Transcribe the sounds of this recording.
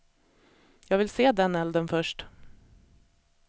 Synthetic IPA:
jɑːɡvɪlseːd̪ɛnɛld̪ənfœʂʈ

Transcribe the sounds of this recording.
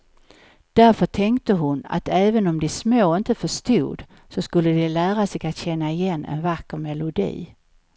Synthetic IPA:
d̪̥æɾfœʈʰɛŋkt̪əɦʊna̰t̪ɛːvənɔmd̪ɛsmoːɪnt̪əfœʂt̪ṵːd̪ | sɔskɵlːəd̪ɛlæːɾasɛjɡat̪ɕɛnːaɪjɛnːɛ̰nvakːəɾmɛlʊd̪ḭː

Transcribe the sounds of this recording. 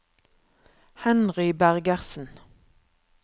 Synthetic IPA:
hɛnʁʏbæʁɡəʁsn̩

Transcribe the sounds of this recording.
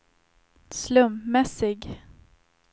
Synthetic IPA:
slɵmpmɛsɪɡ

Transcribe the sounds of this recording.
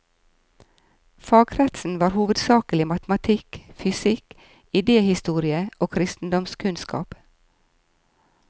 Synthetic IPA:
fɑːɡɾɛt̪sn̩ʋɑːɾhuːʋəd̪sɑːkəlɪmɑt̪mɑt̪ʰɪkfʏsɪk | ɪd̪eːhɪst̪uːɾɪəʔoːkʰɾɪst̪n̩d̪ɔmskʰʉnskɑ̰ːp

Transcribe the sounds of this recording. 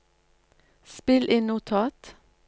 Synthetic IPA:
spɪlʔɪnʊt̪ʰɑːt̪

